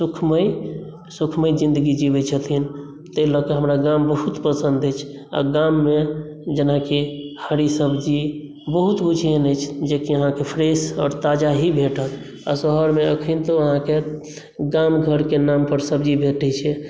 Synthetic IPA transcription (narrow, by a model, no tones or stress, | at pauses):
sukʰməj | sukʰməjd͡ʒĩnd̪əɡid͡ʒibɛt͡ʃʰət̪ʰin | t̪əilɔkeɦəmɾaɡambəɦut̪pəsənd̪əjt͡ʃʰ | a̰ɡamːe | d͡ʒənakihəɾisəbd͡ʒi | bəɦut̪ut͡ʃʰiənəjt͡ʃʰd͡ʒekiəɦãkepʰɾesɔːɾt̪ad͡ʒaɦibʱeʈət̪ | a̰səɦəɾmeəkʰint̪oəɦãke | ɡamɡʱəɾkenampəɾsəbd͡ʒibʱeʈɛt͡ʃʰɛ